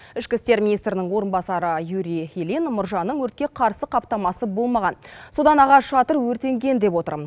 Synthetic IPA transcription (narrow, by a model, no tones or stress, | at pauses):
ɪʃkʲɪst̪e̞ɾmʲinijst̪ɾɪnɪŋwo̞ɾənbɑsɑɾəjuɾihilinmʊɾʒɑnːəɴwɵɾt̪̚kʲe̞qʰɑɾsəqʰɑp̚t̪ɑmɑsəbo̞lˠmɑʁɑnso̞d̪ɑnɑʁɑʃɑt̪əɾwɵɾt̪e̞ŋɡʲe̞nd̪e̞pwo̞t̪ə̰ɾməz